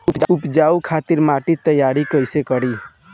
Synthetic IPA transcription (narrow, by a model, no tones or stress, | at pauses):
upupd͡ʒaukʰat̪iɾmaʈit̪əjaɾikəjsekəɽi